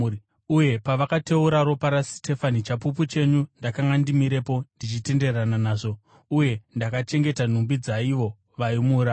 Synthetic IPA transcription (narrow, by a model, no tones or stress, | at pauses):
uje̞paʋakate̞uɾaɾo̞paɾaste̞fanit͡ʃapup̬ut͡ʃe̞ɲundakaŋɡandimiɾe̞po̞ndit͡ʃite̞nde̞rananaːʐo̞ | uje̞ndakat͡ʃe̞ŋɡe̞tan̤umbid͡zaiʋo̞ | ʋaimuːɾa